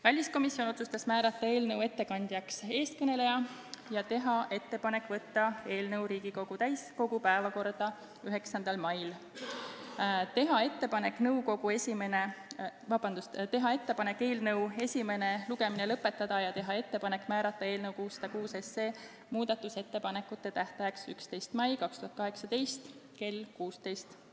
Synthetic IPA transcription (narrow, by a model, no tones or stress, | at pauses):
vælʲisko̞misːio̞no̞t̪sust̪ɑsmæːɾɑt̪ːˑɑe̞ːlnɤwe̞t̪ːe̞kɑnʲd̪̥ʲjɑkse̞ːst̪̚kɤne̞le̞jɑjɑt̪e̞ɦɑʔe̞t̪ːe̞pɑne̞kːˑvɤt̪ːɑe̞ːlnɤwɾiːɡ̥iko̞ɡ̥ut̪æjsko̞ɡ̥upæevɑko̞rd̪̥ɑ | yɦe̞ksɑnd̪ɑlmɑjl | t̪e̞ɦɑe̞t̪ːe̞pɑne̞kːˑnɤuwko̞ɡ̥ue̞sʲime̞ne̞vɑb̥ɑnd̪ust̪e̞ɦɑe̞t̪ːe̞pɑne̞kːe̞ːlnɤ̞we̞sʲime̞ne̞luɡe̞mine̞lɤpːˑe̞t̪ːˑɑd̪̥ɑjɑt̪e̞ɦɑe̞t̪ːe̞pɑne̞kːˑmæːɾɑt̪ːˑɑe̞ːlnɤwkuːsːɑd̪̥ɑkuːse̞se̞ː | muːd̪̥ɑt̪ːˑuse̞t̪ːe̞pɑne̞kːˑut̪ˑːe̞t̪æht̪ɑjɑksykst̪e̞jst̪mɑjkɑkst̪uɦɑt̪kɑɦe̞ksɑd̪e̞jst̪ke̞lkuːst̪e̞jst̪